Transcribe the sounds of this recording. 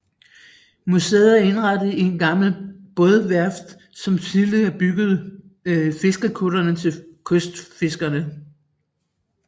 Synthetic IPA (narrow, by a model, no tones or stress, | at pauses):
musḛːɐe̝nʁɑd̥əð̩ˠinɡ̥ɑ̈ml̩b̥ɔ̽ðˠʋæɐfd̥ | sɒ̽mt͡sʰiðˠliæb̥yɡ̥ð̞̩ˠ | fe̝sɡ̥əkʰuɾɐnət͡sʰe̝kʰɔsd̥fe̝sɡ̥ɐnə